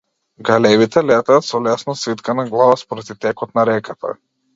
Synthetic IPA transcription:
ɡalɛvit̪ɛlɛt̪aːt̪sɔlɛsnɔsvit̪kanaɡlˠavaspɔɾad̪it̪ɛkɔt̪naɾɛkat̪ʰa̰

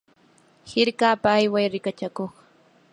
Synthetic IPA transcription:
hɪɾkaːpaːjwajɾɪkat͡ʃakoχ

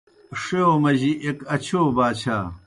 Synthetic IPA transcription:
ʂeomɐʑiʔekɐt͡ɕʰoːbaːt͡ɕʰaː

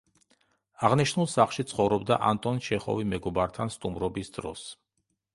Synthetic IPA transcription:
aʁniʃnulˠsaχlˠʃit̪sʰχɔvɾɔbd̪aʔa̰nt̪ʼɔnʃɛχɔ̰vimɛɡɔbaɾt̪ʰanst̪ʼumɾɔbisd̪ɾɔ̰s

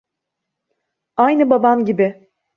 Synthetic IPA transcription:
ajnɯbabamɟibɪ

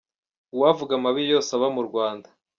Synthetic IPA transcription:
wavuɡamaβijo̞ːsaβamuɾɡwaːnda

